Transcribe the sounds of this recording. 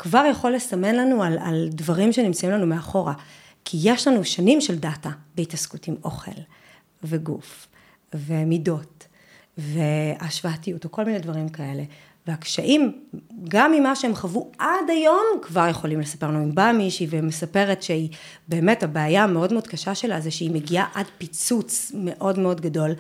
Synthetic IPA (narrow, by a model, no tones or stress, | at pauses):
kvaʁjaχolːesame̞nlanuala̰ldvaʁimʃenimt͡saimlanumeaχo̞ʁa | kʰijeʃlanuʃanimʃeldatabeitaskutimʔo̞̰χe̞̰l | veɡṵf | vemido̞t | veaʃvaatijutoko̞lminedvaʁimkae̞le̞ | veakʃaʔimɡamːimaʃeemχavuʔadajo̞mkvaʁje̞χo̞limle̞sḁpe̞ʁnuimbamiʃivemesape̞ʁetʃei | be̞ːmetabaːjameo̞dmeodkaʃaʃe̞lazeʃeimeɡiaʔadpit͡sut͡sme̞ʔo̞dmeo̞dɡado̞l